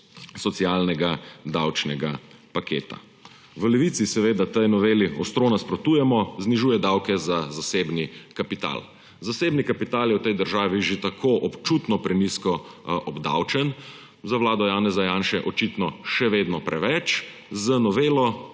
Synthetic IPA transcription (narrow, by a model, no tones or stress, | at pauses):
sɔt̪sialnɛɡad̪awt͡ʃnɛɡa | pakʰḛːt̪a̰ | ʋəlɛʋiːt̪sisɛʋeːd̪at̪əjnɔʋeːliɔ̰st̪ɾonaspɾɔt̪uːjɛmɔzniʒuːjɛd̪awkɛzazaseːbnikapit̪a̰l | zaseːbnikapit̪aːljɛwt̪ɛjd̪əɾʒaːʋiʒet̪akʰoʔɔpt͡ʃut̪nɔpɾɛniskɔʔɔbd̪a̰wt͡ʃɛn | zawlaːd̪ɔjaːnɛzajaːnʃɛʔɔt͡ʃit̪nɔʃɛʋeːd̪nɔpɾʔɛʋɛt͡ʃ | zənɔʋeːlɔ